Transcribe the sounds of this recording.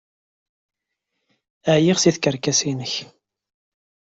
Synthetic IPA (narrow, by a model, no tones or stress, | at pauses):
əʕjiʁsiθkəɾkæsinəç